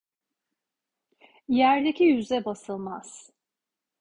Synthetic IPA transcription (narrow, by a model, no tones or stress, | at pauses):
jæɾd̪ecijyzɛbasɯlˠmaz̥